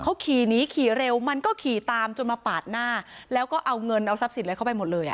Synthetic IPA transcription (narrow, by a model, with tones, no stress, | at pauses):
kʰa˦˥wkʰiː˨˩niː˦˥kʰiː˨˩ɾe˧wma˧nkɔː˥˩kʰiː˨˩t̪aː˧mt͡ɕo˧nmaː˧paː˨˩t̪̚naː˥˩lɛː˦˥wkɔː˥˩ʔa˧wŋɤ˧nʔa˧wsa˦˥p̚si˨˩˦nlːkʰa˥˩p̬a˧jmo˨˩t̪̚lɤː˧jʔa̰˨˩